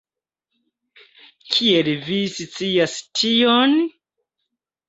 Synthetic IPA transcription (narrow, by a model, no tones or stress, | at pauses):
kʰielvisit͡siastʰion